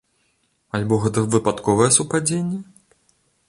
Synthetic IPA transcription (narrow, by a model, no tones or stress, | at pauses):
alʲbɔɣɛt̪̬ɐvɨpat̪kɔvɐjɛsupad͡zʲenʲːɛ